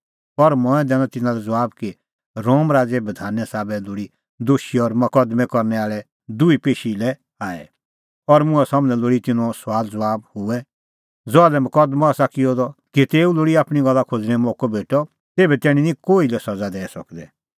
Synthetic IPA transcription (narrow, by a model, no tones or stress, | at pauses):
pɔɾmɔ̃ɛ̃d̪ɛːñɔt̪ɪnãlɛd͡zɐʋaːbki | ɾoːmɾaːd͡zɛbɐd̪ʱaːnɛsaːbɛloɽi | d̪oʃiɔɾmɐkɐd̪mɛ̃kɔɾnɛaːɭɛ | d̪ʊipeːʃilɛ | aːɛ̰ | ɔɾmʊ̃ɛsamnɛ̃loɽit̪ɪnɔswaːld͡zɐʋaːb̚hʊɛ | d͡zɔalɛmɐkɐd̪mɔaːsakiɔd̪ɔkit̪eːuloːɽiaːpɽ̃iɡɐlːakʰod͡zñɛ̃mɔːkɔbʱeːʈɔ | t̪eːbɛt̪ɛːɽ̃inĩkoːilɛsɐd͡zad̪ɛːɛsɐ̰kd̪ɛ